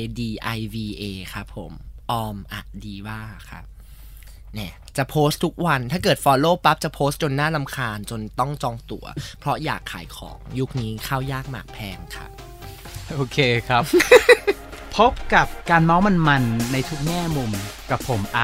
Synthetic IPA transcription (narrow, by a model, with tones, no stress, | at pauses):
diː˧ʔa˧jwiː˧ʔeː˧kʰa˦˥pʰːo˨˩˦mʔɔː˧mʔa̰˨˩diː˧waː˥˩kʰa̰˦˥p̚ | nɛː˧˥˩ | t͡ɕa˨˩ʔpʰoː˦˥st̪ʰːu˦˥k̚wa˧nt̪ʰaː˥˩kɤː˨˩t̪̚fɔː˧loː˥˩pa˦˥p̚t͡ɕa˨˩pʰoː˦˥st̪̚t͡ɕo˧nːaː˥˩la˧mkʰaː˧nt͡ɕo˧nt̪ɔ˥˩ŋt͡ɕɔː˧ŋt̪u˧˩ɐpʰɾɔ˦˥ja̰ː˨˩kʰːa̰ː˩˦jkʰɔ̰ː˩˦ŋju˦˥k̚niː˦˥kʰaː˥˩wjaː˥˩k̚ma̰ː˨˩k̚pʰɛː˧mkʰa̰˦˥p̚ | ʔoː˧kʰeː˧kʰa˦˥p | pʰo˦˥p̚ka˨˩p̚kaː˧nma˦˥wma˧nma˧nːa˧jt̪ʰu˦˥k̚ŋɛː˥˩mu˧mka˨˩pʰːo˨˩˦mʔa˧